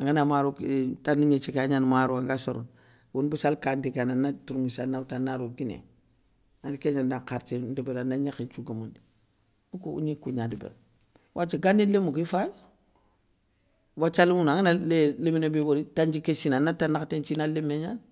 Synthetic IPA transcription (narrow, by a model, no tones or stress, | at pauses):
aŋɡanamaɾuktaniɲet͡ʃikaɲanmaɾuaŋɡasoɾṵn | wunbusalkandikananatuɾmisanawtanaɾoɡinḛ | adikeɲandaŋkaɾt͡ʃidibedanaɲaxint͡ʃuɡamundi | nukuṵɲikuɲadibḛ | wʔat͡ʃiɡanilemuɡifaj | wat͡ʃalimunaŋinaleleminebiboɾitand͡ʒikesinanatanːaktent͡ʃinalemːeɲan